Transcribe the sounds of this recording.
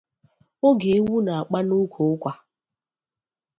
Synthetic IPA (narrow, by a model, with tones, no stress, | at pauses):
o˦ɡe˨e˦wu˦na˨a˨k͡pa˦nu˦kʷʰo˨ʊ˦kʷa˦